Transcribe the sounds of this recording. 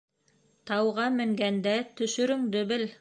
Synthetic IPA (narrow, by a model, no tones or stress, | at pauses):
t̪ɑwʁɑmɘ̆ŋɡænd̪æt̪ɵ̆ʃɵ̆ɾɵŋd̪ɵ̆βɘl